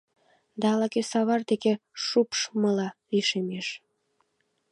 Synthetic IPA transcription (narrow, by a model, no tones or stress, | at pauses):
d̪ɑɑlɑkesɑβɑrd̪ekeʃupʃməlɑliʃemeʃ